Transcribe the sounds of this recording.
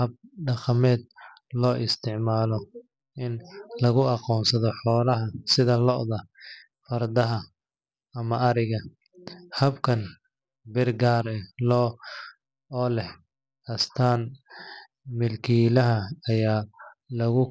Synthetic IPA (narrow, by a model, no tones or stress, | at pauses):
hɐb̚ɖɑqɑmɛːd̪ | lɔːʔɪst̪ʰɪʕmaːlɔ | ʔɪnlɐɣʊɑqɔːnsɐðɔħɔːlɐɦɐsɪðɐlɔʔðɐ | fɐrd̪ɐɦɐ | ɐmɐɐɾɪɣɐ | hɐbkʰɐn | bɪrɡaːɾɛlɔː | ɔːlɛh | ɐst̪ʰaːn | mɪlkʰiːlɐɦɐːjaːlɐɣʊ